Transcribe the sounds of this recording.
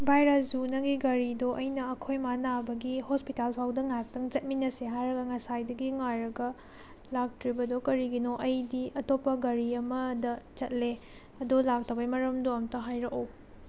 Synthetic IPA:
bʱajɾɐs̬d͡ʒunɐɡiɡɐɾidoʔɐjnɐɐkʰojmanabɐɡihospitalpʰawdɐŋak̚tɐŋt͡ʃɐt̚minɐseɦajɾɐɡɐŋɐsajdɐɡiŋajɾɐɡɐ | lak̚tɾibɐdokɐɾiɡinoʔɐjdiɐtopːɐɡɐɾiɐmɐdɐt͡ʃɐt̚le | ɐdolak̚tʰɐwbɐjmɐɾɐmdoɐmtɐɦajɾɐkɐw

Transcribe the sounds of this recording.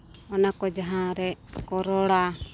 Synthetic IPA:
ɔnakɔd͡ʒaɦãɾɛkɔɾɔɽa

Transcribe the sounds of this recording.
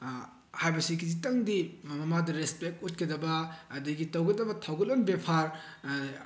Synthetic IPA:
hajbɐsikizitɐŋdimɐmɐmadɐɾespek̚tut̚kɐdɐbɐːdiɡitɐwɡɐdɐbɐtʰɐwɡɐlɐmbepʰaɾ

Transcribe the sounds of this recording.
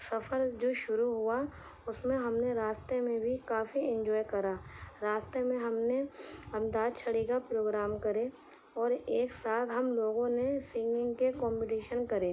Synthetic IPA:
sɐfʰəɾd͡ʒoːʃʊɾuɦʊa | ʊsmẽɦɐmneɾaːst̪emẽbʱikaːfiɪ̃ɲd͡ʒɔːjkɐɾaːɾaːst̪emẽɦɐmneɐ̃md̪aːd̪̚t͡ʃʰɐɽikapɾoːɡɾaːmkɐɾe | ɔːɾeːksaːt̪ʰɦɐmloːɡõnesɪ̃ŋɡɪ̃ŋɡkekɔ̃ːmpɪʈiːʃənkɐɾeː

